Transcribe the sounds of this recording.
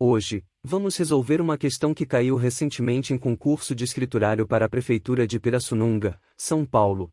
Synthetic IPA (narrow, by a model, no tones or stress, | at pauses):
oʒɪ | vɐ̃mʊshezowveɾũmɐkest̪ɐ̃w̃kɪkaiwɦesẽnt͡ʃɪmẽnt͡ʃɪẽj̃kõŋkuɾsʊd͡ʒɪːskɾit̪uɾaɾjʊpaɾɐːpɾefejt̪uɾɐd͡ʒɪpeɾɐsunũŋɡɐ | sɐ̃w̃pawlʊ